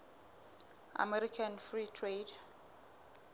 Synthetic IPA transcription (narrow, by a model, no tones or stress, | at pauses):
a̰mɛɾikʰanfritʰred